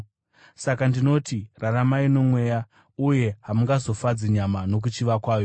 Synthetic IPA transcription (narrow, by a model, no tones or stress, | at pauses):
sakandino̞tiraramaino̞mwe̞ːja | uje̞ɦamuŋɡazo̞fad͡ziɲamano̞k̬ut͡ʃiʋakwaːjo